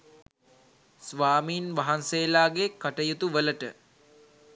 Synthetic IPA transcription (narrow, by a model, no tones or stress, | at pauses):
sʋaːmiːnʋaɦanseːlaːɡekːaʈəjut̪uʋələʈə